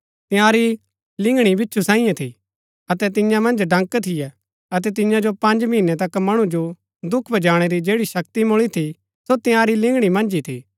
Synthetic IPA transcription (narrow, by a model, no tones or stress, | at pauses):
t̪ɪ̃jãːɾi | lɪ̃ŋɡɽ̃ibɪtːʃʰusãːĩjãt̪ʰḭ | ɐt̪ɛt̪ɪjãmɐ̃nd͡ʒɖɐ̃ŋkt̪ʰɪjɛ | ɐt̪ɛt̪̬ɪjãd͡ʒopɐ̃nd͡ʒminːɛt̪ɐkmɐɽ̃ud͡ʒo | d̪ʊkʰbʱɐd͡ʒaːɽ̃eɾid͡ʒeːɽiʃɐk̚t̪imʊɭit̪ʰi | sot̪ɪjãɾilɪ̃ŋɡɽ̃imɐ̃nd͡ʒit̪ʰḭː